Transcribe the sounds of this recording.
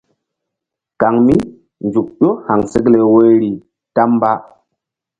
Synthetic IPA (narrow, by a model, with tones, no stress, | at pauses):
ka˨ŋmi˦ | nd͡ʒu˨k̚ɗo˦ha˨ŋsə˦kle˨wo˦ɾi˨ | ta˦mba˦